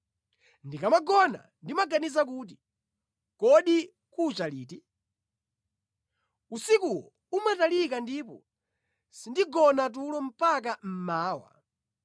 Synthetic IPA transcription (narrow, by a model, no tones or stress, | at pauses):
ndikamaɡɔna̰ndimaɡanizak̬uːt̬i | kɔɗi | kut͡ʃalḭːti | usikuwɔ̰ | umatalikandipɔ̰ | sindiɡɔnat̬ulɔm̩pakam̩maːwa̰